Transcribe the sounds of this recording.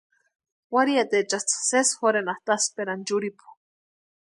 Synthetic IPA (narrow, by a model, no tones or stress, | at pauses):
waɾiat̪et͡ʃast͡sḁsesxoɾenaht̪aspeɾand͡ʒuɾipu̥